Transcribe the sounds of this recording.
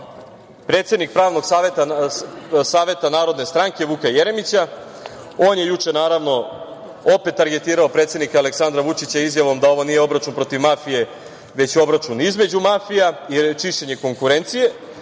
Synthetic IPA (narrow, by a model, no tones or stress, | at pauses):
pɾet̪se̞d̪nik̚pɾaːʋno̞ɡ̥saʋet̪a | saːʋe̞t̪anaːɾo̞d̪ne̞st̪ɾaŋke̞ʋukajeɾe̞mit͡ɕa | o̞ːnje̞jut͡ʂe̞naːɾaʋno̞ | ope̞t̪ːaɾɡe̞t̪iːɾaopɾet̪sed̪nikaale̞ksand̪ɾaʋut͡ʃit͡ɕaizjaʋo̞md̪ao̞ʋonijeo̞bɾat͡ʃunpɾo̞t̪iʋmafije̞ | ʋe̞t͡ɕo̞bɾat͡ʃunizme̞d͡ʑumafijait͡ʃiʃe̞ɲe̞ko̞ŋkuɾent̪sije̞